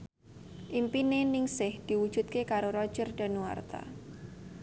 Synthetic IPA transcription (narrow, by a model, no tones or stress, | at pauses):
ʔimpinenɪŋsɪhd̪̥i̤wud̥ʒ̥ṳt̪̚kekaɾoɾɔd̥ʒ̥ərd̥a̤nuwa̰rt̪a̰